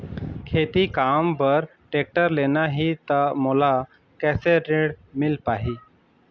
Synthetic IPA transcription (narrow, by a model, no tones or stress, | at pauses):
kʰeːt̪ikaːmpəɾ | ʈeːk̚ʈəɾleːnaɦit̪amoːla | kɛːseɾeːɽmɪlpaːɦiː